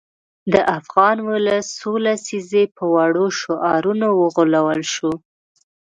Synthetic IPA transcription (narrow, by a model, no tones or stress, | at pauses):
d̪əʔafɣɑnwʊləsːolasizepəwaɽoʃoʔɑɾunawəɣolawəlʃu